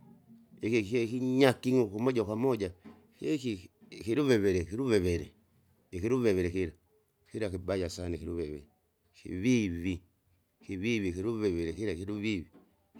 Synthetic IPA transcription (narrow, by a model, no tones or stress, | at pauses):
ikiɛkiɲakiŋukumɔd͡ʒakwamɔd͡ʒa | keki | kiɾuβɛβɛɾɛkiɾuβɛβɛɾɛ | ikiɾuβɛβɛɾɛkiɾa | kiɾakibajasanikiɾuβɛβɛ̰ɾɛ | kḭβiβi | kiβiβikiɾuβɛβɛɾɛkiɾakiɾuβiβi